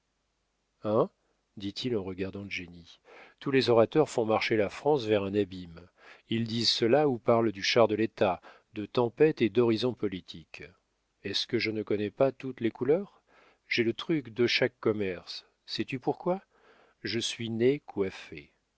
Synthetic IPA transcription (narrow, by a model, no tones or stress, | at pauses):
ɛ̃ | d̪it̪ʰilɑ̃ʁəɡaʁd̪ɑ̃ləʒeni | t̪ulezɔʁat̪œʁfɔ̃maʁʃelafχɑ̃svɛʁɛ̃nabim | ild̪izsəlaupaʁld̪yʃaʁd̪əlet̪a | d̪ət̪ɑ̃pɛt̪ed̪ɔʁizɔ̃pɔlit̪ʰik | ɛskəʒənəkɔnɛpat̪ut̪lekulœːʁ | ʒ̥ɛlət̪χykd̪əʃakːɔmɛʁsː | ɛt̪ypuʁkwa | ʒəsɥinekwafe